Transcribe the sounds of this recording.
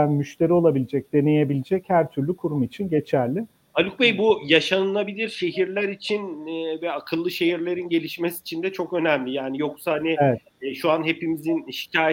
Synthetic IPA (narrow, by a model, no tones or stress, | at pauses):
ænmyʃt̪ʰe̞ɾio̞lˠabilʲid͡ʒɛc̚d̪e̞ne̞je̞bilʲid͡ʒɛchæɾt̪ʰyɾlʲykʰuɾumit͡ʃʰinɟe̞t͡ʃʰæɾlʲɪ | alʲuk̚bejbujaʃanɯlˠabilʲiɾʃe̞ɦiɾlʲæɾit͡ʃʰinvɛakʰɯlˠːɯʃe̞ɦiɾlʲe̞ɾinɟe̞lʲiʃmesiːt͡ʃʰind̪ɛt͡ʃʰo̞kø̞næmlʲijaːnijo̞ksaanɪevɛ | ʃuanɦe̞pimizinʃi̥caːj